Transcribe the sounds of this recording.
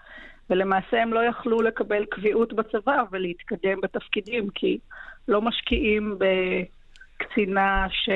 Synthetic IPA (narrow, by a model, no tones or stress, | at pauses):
vele̞maːse̞hemlo̞jaχlule̞kabe̞lkviʔutbat͡savavelehit̪kade̞mbet̪afkidimkʰilo̞maʃkiʔimbe | kt͡sinaʃe